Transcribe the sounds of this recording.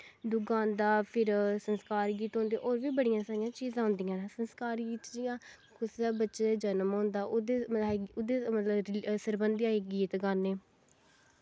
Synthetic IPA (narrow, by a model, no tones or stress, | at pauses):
d̪ʊɡãːnd̪aːpʰɪɾsənskaːɾɡiːt̪ɦõːnd̪eːʔoːɾʋiːbəɽijãːsaːjãːt͡ʃiːzãːɦʊ̃nd̪ijãːsənskaːɾɡiːt̪d͡ʒɪjãː | kʰʊsd̪aːbətːʃeeːd͡ʒənmɦõːnd̪aːʔʊd̪eːʊd̪eːmət̪ləbsəɾbə̃nd̪aːeːɡiːt̪ɡəneː